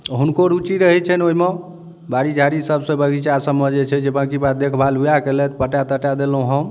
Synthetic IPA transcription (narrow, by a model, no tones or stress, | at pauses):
ɦunkoɾut͡ʃiɾəɦɛt͡ʃʰɛnoime | baɽid͡ʒʱaɾisəbsə̃bəɡʱit͡ʃasəməd͡ʒet͡ʃʰɛd͡ʒebãkibat̪̚d̪ekʰbʱalujakelɛt̪pəʈat̪əʈad̪elɦũɦə̃m